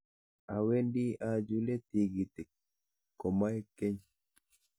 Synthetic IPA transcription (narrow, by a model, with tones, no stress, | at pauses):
a˨we˦ndi˦a˨d͡ʒu˦le˦t̪i˨ɡi˨t̪i˨kː | ɔ˨ma˦jke˦ɲ